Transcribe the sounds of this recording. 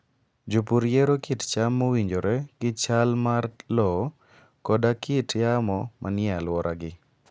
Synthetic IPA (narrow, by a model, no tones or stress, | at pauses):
d͡ʒupuɾjeɾokɪtt͡ʃamːowiɲd͡ʒoɾɛɡɪt͡ʃalmarlɔ | kɔdakʰɪtjamɔmʔa̰nɪalwɔɾʔaɡɪ